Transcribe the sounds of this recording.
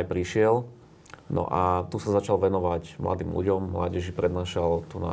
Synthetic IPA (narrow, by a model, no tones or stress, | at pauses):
jpɾiʃɪɛl | nɔ̰ʔat̪usazat͡ʃalʋɛnɔʋacmla̰d̪ḭːmlṵɟɔmːlaːɟɛʒipɾɛd̪naːʃalt̪una̰